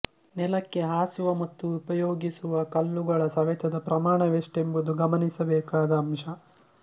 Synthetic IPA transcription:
nɛlɐkːe̞ɦaːsuʋɐmɐt̪ːuːpɐjoːɡisuʋɐkɐlːuɡɐɭɐsɐʋɛt̪ɐd̪ɐpɾɐmaːɳɐʋeʂʈembud̪uɡɐmɐnisɐbɛːkaːd̪ɐːmʃɐ

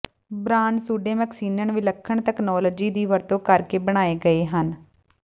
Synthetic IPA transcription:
bɾaːɳsuːɖeːʋɛːksiːnəɳʋɪləkʰːəɳt̪ɛːknɔːləːd͡ʒiːd̪iːʋəɾt̪õːkəɾkeːbəɽ̃aːeːɡəeːɦən

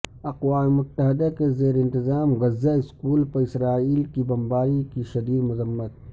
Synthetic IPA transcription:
ɐqwaːmemʊt̪ːəɦɪd̪akezeːɾeɪ̃nt̪ɪzaːmɣɐzːaɪskuːlpɐɾɪsɾaːiːlkibɐmbaːɾikiʃɐd̪iːd̪mʊzəmːət̪̚

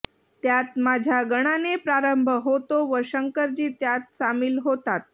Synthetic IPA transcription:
t̪jat̪̚mad͡ʑʱjaɡəɽ̃anepɾaɾəmbʱəɦot̪oʋəɕəŋkəɾd͡ʑiːt̪jat̪̚samiːlɦot̪at̪̚

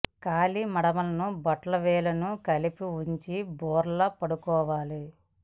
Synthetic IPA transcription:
kaːlimɐɽɐmɐlɐnubɐʈlɐʋɛːlɐnukɐlipiuɲt͡ʃibɔːɾlɐpɐɽukɔːʋaːli

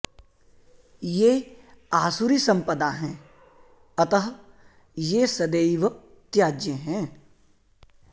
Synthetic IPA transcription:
jeːaːsuɾisɐ̃mpəd̪aɦɛ̃ː | ɐt̪əɦ | jeːsɐd̪eʋ | t̪jaːd͡ʒjẽɦɛ̃ː

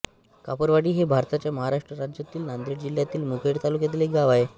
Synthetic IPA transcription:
kapəɾʋaɽiːɦebʱaɾt̪at͡ɕjaməɦaɾaʂʈɾəɾad͡ʑjat̪iːlnand̪ɾeʈd͡ʑiljat̪iːlmukʰeɽt̪alukjat̪̬iːlek̚ɡaʋae

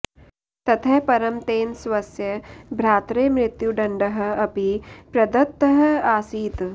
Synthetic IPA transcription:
t̪ɐt̪ʰɐɦpɐɾɐmt̪eːnsʋɐsjɐbʱɾaːt̪ɾeːmɾɪt̪juɖɐɳɖɐɦɐ̆ɐpipɾɐd̪ɐt̪ːɐɦɐaːsiːt̪

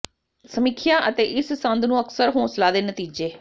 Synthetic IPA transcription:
səmikʰɪjaːʔət̪eːʔɪssənd̪nũːəksəɾɦõːslaːd̪eːnət̪iːd͡ʒeː

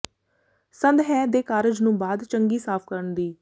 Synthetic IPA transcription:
sənd̪ɦɛːd̪eːkaːɾɪd͡ʒnũːbaːd̪t͡ʃəŋɡiːsaːpʰkəɾəɳd̪iː

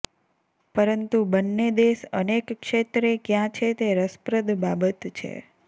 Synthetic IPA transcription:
pəɾənt̪ubənːed̪eʃənekːʃet̪ɾekjãt͡ʃʰet̪eɾəspɾəd̪ʱbabət̪t͡ʃʰḛ

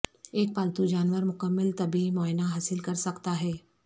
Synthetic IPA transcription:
eːk̚paːlt̪ud͡ʒaːnʋəɾmʊkəmːəlt̪ɐbʱimɔːɦɪnaɦaːsɪlkɐɾsɐkt̪aɦɛː

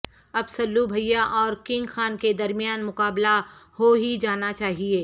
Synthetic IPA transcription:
ɐbsɐlːubʱɐjaʔɔːɾkɪ̃ŋɡxaːnked̪ɐɾmijaːnmʊkaːblahoɦid͡ʒaːnat͡ʃaːɦieː

